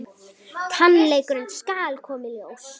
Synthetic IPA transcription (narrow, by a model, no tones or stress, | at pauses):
k̪ʰanleːjkʏɾʏnskaːlkʰɔːmɪlows